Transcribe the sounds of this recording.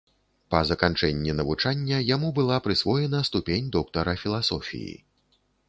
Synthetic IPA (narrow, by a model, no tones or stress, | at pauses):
pɐzɐkant͡ʂɛnʲːinɐvut͡ʂanʲːɐjamubɨlˠapɾɨsvɔjɛnɐst̪upʲenʲd̪ɔk̚t̪ɐɾɐfʲilˠasɔfʲḭjḭ